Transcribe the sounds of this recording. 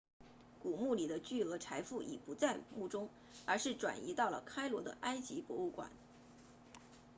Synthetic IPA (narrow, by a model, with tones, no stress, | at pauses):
ku˨˩mu˥˩li˨˩d̪ə˦t͡ɕy˥˩ɤ˧˥ʈ͡ʂʰa˧˥ɪfu˥˩ʔḭ˨˩pu˧˥t͡sa˥˧ɪmu˥˩ʈ͡ʂʊ˥ŋ | ə˞˧˥ʂɻ̩˥˩ʈ͡ʂwa̰˨˩nḭ˧˥t̪ɑ˥˩ʊlə̰˩kʰa˥ɪlwɔ˧˥d̪ə̰˧ʔa˥ɪt͡ɕi˧˥pwɔ˧˥u˥˩kwa̰˨˩˦n